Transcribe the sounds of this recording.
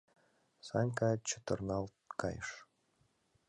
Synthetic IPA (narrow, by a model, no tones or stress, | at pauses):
sɑnʲkɑt͡ɕə̥t̪ɤ̆rnɑlˠt̪kɑ̰jʃ